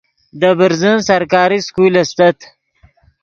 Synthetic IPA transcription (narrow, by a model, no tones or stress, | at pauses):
d̪əbəɾzənsɐɾkɑːɾiskulɐst̪at̪